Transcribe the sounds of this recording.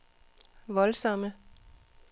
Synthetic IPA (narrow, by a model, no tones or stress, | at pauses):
ʋɒ̽lsɒ̽mə